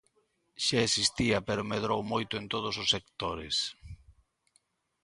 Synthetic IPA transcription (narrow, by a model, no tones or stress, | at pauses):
ʃaesist̪iapeɾʊmeðɾowmojt̪ʊent̪oð̞ʊsosːekt̪oɾes